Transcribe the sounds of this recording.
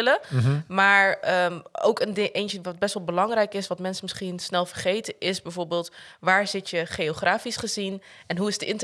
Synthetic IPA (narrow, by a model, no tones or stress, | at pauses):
ləmaːɹəo̰wkəndɪŋʔejnt͡ʃəʋɑd̚bɛstʋɑlˠbəlɑŋrɛjkɪsʋɑtmɛnsəmɪsχinsnɛlˠvəɹχejtəʔɪsbɛjvoːɹbeːlˠtʋaːɹz̥ɪtjəχeoχrʔaːfisχəzinɛnɦuɪsdəʔɪnt